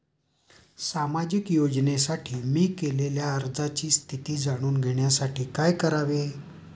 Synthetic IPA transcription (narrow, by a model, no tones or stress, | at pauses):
samad͡ʑikjod͡znesaʈʰiːmiːkeleljaəɾd͡zat͡ɕiːst̪ʰit̪iːd͡zaɽ̃uːnɡʱeɳjasaʈiːkajkəɾaʋe